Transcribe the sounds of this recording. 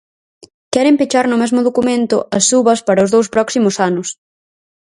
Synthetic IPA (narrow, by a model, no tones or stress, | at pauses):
kɛɾɪmpit͡ʃaɾnʊmɛzmʊðokumẽnt̪ʊ̰ʔɐsuβɐspɐɾɐʊzðowspɾɔksimʊsanʊs